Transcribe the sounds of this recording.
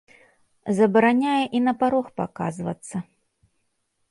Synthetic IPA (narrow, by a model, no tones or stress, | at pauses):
zɐbɐɾanʲajɛʔinɐpaɾɔxpa̰ka̰zvɐ̰t̪sːɐ